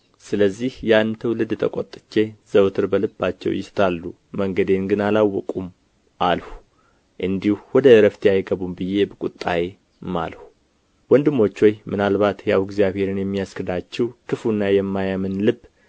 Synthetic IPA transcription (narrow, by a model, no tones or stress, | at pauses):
sɨləzːihjanːt̪ʰəwlɨd̪t̪ʰə̰kʼot̪ʼːɨ̥t͡ʃːe̞z̥əwt̪ʰɨɾbəlɨbːat͡ʃːɛ̰wjɪst̪ʰalːu | məŋɡəd̪e̞nɡɨnalawːɔkʼum | ʔalhu | ʔɨnd̪ihuwɔd̪əɾəft̪ʰeajɡəβumbɨjːe̞bɨkʼut̪ʼːaje | ma̰lhu | wɔnd̪ɨmːo̞t͡ʃːojmʔɨnalbat̪jawɪɡzijaβhe̞ɾɨnjɛmːijaskɨd̪at͡ʃːɛwkʰɨfunːajɛmːajamɨnlɨbː